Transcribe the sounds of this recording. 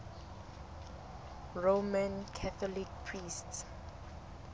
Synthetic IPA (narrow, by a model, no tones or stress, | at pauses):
ɹomãnkʰaθɔlik̚pʰɹists